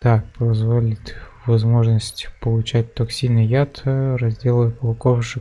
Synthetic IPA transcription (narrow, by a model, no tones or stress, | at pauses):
d̪̥apɐzvolʲɪt̪ʲ | vɐzmo̞ʐnəsʲtʲpəlˠʊt͡ɕæt̚ʲt̪oksʲinɨjat̪rɐzʲdʲe̞lˠəjəpəlˠɐkofʂɨ